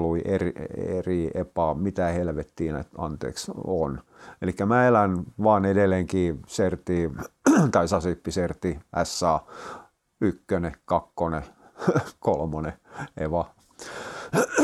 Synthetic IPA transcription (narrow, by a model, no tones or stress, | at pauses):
luiʔeriḛriʔepɑmit̪æhelʋet̪ːiːnæ̰t̪ɑ̰nt̪ḛːkso̰nelikːæmæːelænʋɑːnedelːeŋkiːsert̪iːt̪ɑisɑsipːisert̪iʔæsːɑː | ykːønekɑkːone | kolmoneḛʋɑ